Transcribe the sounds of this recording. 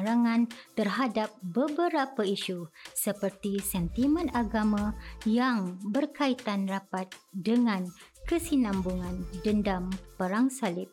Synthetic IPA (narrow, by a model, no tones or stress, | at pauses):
ɾaŋãnt̪ərɦadap̚bəbəɾapaiʃusəpərt̪isɛnt̪imə̃naɡamãjaŋbərkait̪anrapat̪̚dəŋãn | kəsinãmbuŋãndəndampəɾaŋsalɪp̚